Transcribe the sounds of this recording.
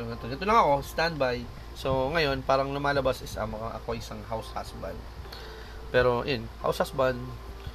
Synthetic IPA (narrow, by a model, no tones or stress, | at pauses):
oɐt̪od̪ɛt̪olɐŋɐko̞st̪and̪̚baj | so̞ŋɐjo̞npaːɾɐŋlʊmaːlɐbasɪsɐ̰moɐʔɐ̰koɐjsɐŋɦawsha̰sba̰nd̪ | pɛːɾo̞̰jonha̰wshasband̪